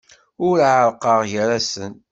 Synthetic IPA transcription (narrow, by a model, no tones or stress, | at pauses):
ʊɾʕəɾˤqəʁjəɾæsən